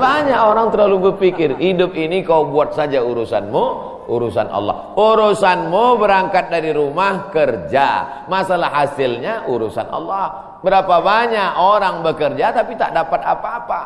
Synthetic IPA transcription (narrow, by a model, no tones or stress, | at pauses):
baɲaʔoɾaŋt̪ərlalubərpikɪrhidʊp̚inikaubuat̪̚sad͡ʒauɾusanmu | uɾusa̰nʔɑ̰lːɔ̰huɾusanmubəɾaŋkat̪̚daɾiɾumahkərd͡ʒa̰ | masalahasɪlɲaʔuɾusa̰nʔɑ̰lːɑh | bəɾapabaɲaʔoɾaŋbəkərd͡ʒat̪apit̪a̰ʔdapat̪̚apaːpa